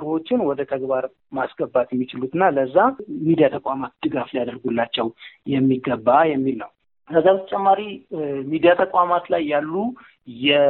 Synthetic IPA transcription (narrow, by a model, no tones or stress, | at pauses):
ɾwo̞t͡ʃːɪnwɔd̪ət̪ʰəɡbaɾ | masɡ̥əbːat̪jɛmːit͡ʃɪlut̪ɨnːaləzːamid̪ijat̪ʰəkʼamat̪̚d̪̥ɨɡaflijad̪əɾɡulːat͡ʃːɛwjɛmːiɡəbːajɛmːilnəw | kəzːawt̪ʰət͡ʃʼɛmːaɾimid̪ijat̪ʰəkʼʷamat̪lajːalːu | jɛ